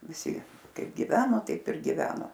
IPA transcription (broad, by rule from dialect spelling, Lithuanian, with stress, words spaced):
ʋʲɪˈsʲɪ ˈkɐɪp ɡʲɪˈʋʲæːnoː ˈtɐɪp ɪr ɡʲɪˈʋʲæːnɐ